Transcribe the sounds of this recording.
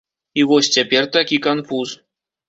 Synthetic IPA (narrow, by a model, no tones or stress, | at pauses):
iʋosʲtʲepʲerʲt̪akʲikanfus